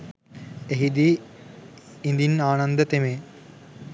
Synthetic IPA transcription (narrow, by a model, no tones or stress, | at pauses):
eɦid̪i | ind̪inaːnɐnd̪ət̪eme